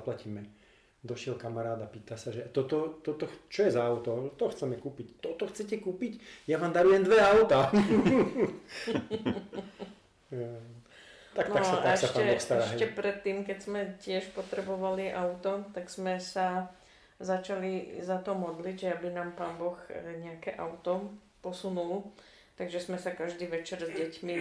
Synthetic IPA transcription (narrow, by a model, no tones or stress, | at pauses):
aplaciːmɛ | d̪ɔʃɪɛlkamaɾaːd̪apiːt̪asaʒɛat̪ɔt̪ɔt̪ɔt̪ɔt͡ʃɔjɛzaːʊt̪ɔt̪ɔxt͡sɛmɛkuːpict̪ɔt̪ɔxt͡sɛcɛkuːpicjaʋaːmd̪aɾujɛmnd̪ʋɛaʊt̪a | t̪aknakat̪aɛsapaɛɔxst̪aɾaɛʃɛcɛpɾɛt̪ːiːmkɛɟz̥mɛcɪɛʃpɔt̪ɾɛbɔʋaliʔaʊt̪ɔt̪aɡz̥mɛsa | zat͡ʃalizat̪ɔmɔd̪liɟʒɛabinaːmpaːnbɔxɲɛakɛʔaʊt̪ɔ | pɔsunul | t̪aɡʒɛzmɛsakaʒd̪iːʋɛt͡ʃɛɾzɟɛcmi